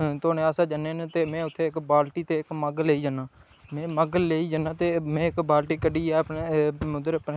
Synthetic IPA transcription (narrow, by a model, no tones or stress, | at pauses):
t̪ʊaːneːaːsaːd͡ʒəneːnẽːt̪eːmɛ̃ːʊt̪ʰːeːɪkbaːlʈiːt̪eːɪkməɡleːiːd͡ʒənãː | mɛ̃ːməɡleːiːd͡ʒənãːt̪eːmɛ̃ːɪkbaːlʈiːkəɖiːɛːəpneʊd̪əɾəpn